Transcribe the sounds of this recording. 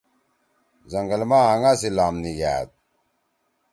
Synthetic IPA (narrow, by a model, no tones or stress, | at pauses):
zɐŋɡəlmaɦaŋasilaːmniɡa̰ːt̪̚